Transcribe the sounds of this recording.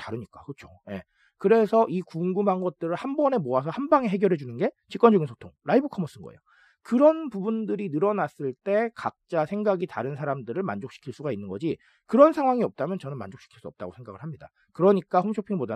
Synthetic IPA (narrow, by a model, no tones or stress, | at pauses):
taɾɯɲik͈akɯt͡ɕʰoje̞̰ | kɯɾe̞sʰʌʔikuŋɡumɦanɡʌt̚t͈ɯɾɯɭhambʌne̞moas̬ʰʌhambaŋe̞ɦe̞ɡjʌɾɦe̞d͡ʑunɯnɡe̞t͡ɕik͈wʌnd͡ʑʌɡinsʰotʰo̰ŋɾaibɯkʰʌmʌs͈ɯnɡʌejo | kɯɾʌnpubundɯɾinɯɾʌnas͈ɯɭt͈e̞kak̚t͡ɕ͈asʰe̞ŋɡaɡita̰ɾɯnsʰaɾamdɯɾɯɭma̰nd͡ʑok̚ɕ͈i̥kʰiɭs͈uɡainːɯnɡʌd͡ʑi | kɯɾʌnsʰaŋɦwaŋiʌp̚t͈amjʌnt͡ɕʌnɯnma̰nd͡ʑok̚ɕ͈i̥kʰi̥ɭs͈uʌp̚t͈aɡosʰe̞ŋɡaɡɯɭɦamɲida̰ | kɯɾʌɲik͈ahomɕʰopʰiŋboda